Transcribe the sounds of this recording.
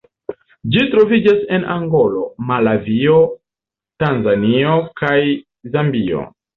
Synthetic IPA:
d͡ʒitɾo̞vid͡ʒase̞nʔaŋɡo̞lo̞malavio̞ | tanzaniokaj | zambio̞̰

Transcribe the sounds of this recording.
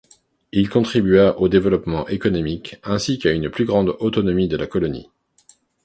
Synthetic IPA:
ilkɔ̃t̪χibyaʔod̪evəlɔpmɑ̃ʔekɔnɔmikɛ̃sikaynplyɡʁɑ̃d̪ot̪ɔnɔmid̪əlakɔlɔnḭ

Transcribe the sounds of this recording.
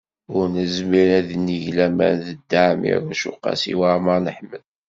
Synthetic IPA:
ʊɾnəzmiɾæðnːiʝlæmæ̰ðəd̪ːaʕmḭɾˤʃṵqːɑ̰sḭwamɑɾnəħməl

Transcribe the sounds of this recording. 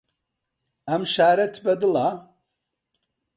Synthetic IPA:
ɐmʃaːɾɐt̪ʰbɐd̪ɨla

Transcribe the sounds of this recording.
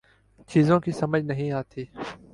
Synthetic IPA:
t͡ʃiːzõːkiːsɐməd͡ʒʱnəɦĩːaːt̪ʰiː

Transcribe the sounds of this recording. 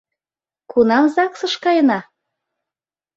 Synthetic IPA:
kunɑmzɑksɤ̆ʃkɑjənɑ

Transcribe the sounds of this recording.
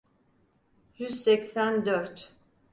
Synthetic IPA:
jyz̥sɛcsænd̪øɾt̪

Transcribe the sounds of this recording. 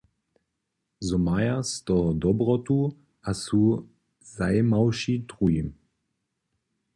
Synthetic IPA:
zɔmajastɔdɔbʁɔtu | ʔasu | zaɪmaʊʃitʁuim

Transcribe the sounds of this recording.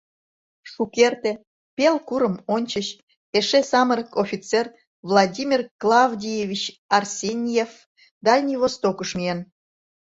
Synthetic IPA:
ʃukert̪e | pelkuɾəmonʲt͡ɕəɕ | eʃesɑməɾəkofʲit͡ser | vlˠɑdʲimʲirklˠɑvdʲijevʲit͡ɕɑrsʲenʲjef | d̪ɑlʲnʲivost̪okəʃmʲien

